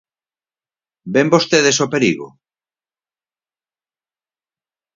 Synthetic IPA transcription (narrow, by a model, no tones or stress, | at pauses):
bembost̪eðesopeɾiɣo̰